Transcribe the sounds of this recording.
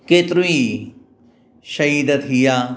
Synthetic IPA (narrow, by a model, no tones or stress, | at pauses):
keːt̪ɾui | ʃɐɦiːd̪ɐt̪ɦijaː